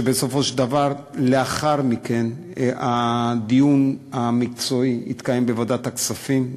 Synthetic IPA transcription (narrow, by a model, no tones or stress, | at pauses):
ebesofo̞ʃd̪avaʁleaχaʁmike̞n | ad̪ijunamik̚t͡so̞iḭt̪kajembevodat̪aksafim